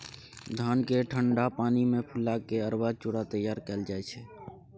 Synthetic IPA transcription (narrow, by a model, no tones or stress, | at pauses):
d̪ʱaːnkeʈʰəɳɖapaːnimẽpʰʊlakːeəɾbaːt͡ʃʊɽat̪əjːaːɾkɛːld͡ʒaːɛt͡ʃʰɛː